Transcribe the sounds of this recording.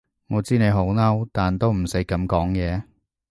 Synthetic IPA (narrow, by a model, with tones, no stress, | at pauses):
ŋɔː˨˧t͡siː˥ne˨˧jɦo˨˥wnɐ˥wt̪aː˨nt̪o˥wm̩˨˩se˨˥kɐ˨˥mkɔː˨˥ŋjɛː˨˧